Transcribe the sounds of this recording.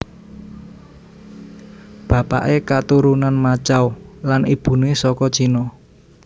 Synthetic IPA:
b̥ä̤pa̰ʔekat̪uɾunanmat͡ʃawlanib̥ṳnesɔkɔd̥t͡ʃinɔ

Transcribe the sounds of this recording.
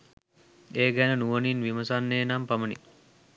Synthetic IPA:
eːɡænənuʋəninʋiməsanːeːnampɐmənḭ

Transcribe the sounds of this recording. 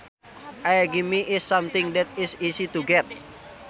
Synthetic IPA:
ʔajaɡimiʔɪsːamt̪ɪŋdɛt̪̚ɪsisit̪uɡɛt̪̚

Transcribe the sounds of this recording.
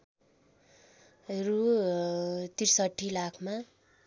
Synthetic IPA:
ɦeɾu | t̪irsʌʈʰːilakʰma

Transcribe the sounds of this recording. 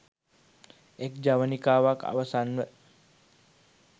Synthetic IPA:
ek̚d͡ʒaʋanikaːwaka̰ʋasanʋə

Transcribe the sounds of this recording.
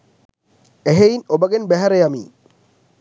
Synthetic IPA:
eɦeinobɐɡenbæɦæɾejɐmḭː

